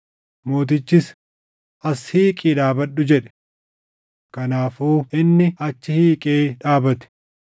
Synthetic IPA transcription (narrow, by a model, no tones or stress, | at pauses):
mo̞ːt̪ɪt͡ʃːɪs | ʔɐshiːkʼiːᶑ̪aːbɐᶑʊd͡ʒɛᶑɛ̥ | kɐnaːfuːʔɪnːɪɐt͡ʃːɪhiːkʼeːᶑaːbɐt̪ɪ̥